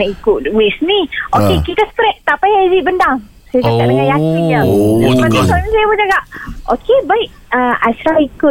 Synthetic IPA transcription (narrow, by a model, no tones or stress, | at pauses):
aikʊtwesniʔokekit̪asə̥pɾɛʔ̚t̪apajaziʔbəndaŋ | sajad͡ʒaɡaʔ̚dəŋãnjakiɲazamãnasaɲusajabəd͡ʒaɡaʔʔokebaɪʔ̚əasɾaikʊ